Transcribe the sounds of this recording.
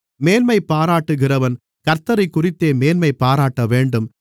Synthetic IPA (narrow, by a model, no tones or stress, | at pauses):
meːnmɐɪpːaːɾaːʈːɯɣɪrɐʋɐn | kɐɾt̪ɐɾɐɪkːʊrɪt̪ːeːmeːnmɐɪpaːɾaːʈːɐʋeːɳɖɯm